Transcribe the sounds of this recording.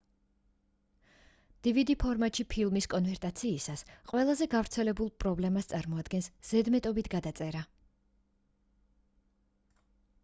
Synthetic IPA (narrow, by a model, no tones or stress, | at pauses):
d̪̥ivid̪ipʰɔɾmat̪ʼʃipʰilˠmiskʼɔnvɛɾt̪ʼat̪sʰiːsasqʼwɛlˠazɛɡavɾt̪sʰɛlɛbulˠpʼɾɔblɛmast̪sʼaɾmɔad̪ɡɛnsz̥ɛd̪mɛt̪ʼɔbit̪ʰɡad̪at̪sʼɛɾa